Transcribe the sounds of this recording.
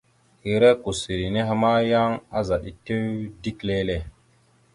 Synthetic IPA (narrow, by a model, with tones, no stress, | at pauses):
hi˨ɾe˦ko˨si˨ɾi˨ne˦ɦa˨ma˦ja˦ŋa˦za˨ɗi˨te˦wdi˦kle˦le˦˨